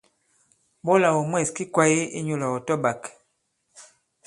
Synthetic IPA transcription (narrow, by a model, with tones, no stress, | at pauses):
bɔ˦la˨wɔ˨mwɛ˦˨ski˦kwa˦ji˦ḭ˦ɲu˦˨la˨wɔ˨tɔ˦ba˨k